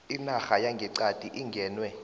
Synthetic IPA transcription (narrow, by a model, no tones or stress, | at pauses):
inaxajaŋɡʱɛǀad̥ʱʼiʔiŋɡʱɛːnwɛ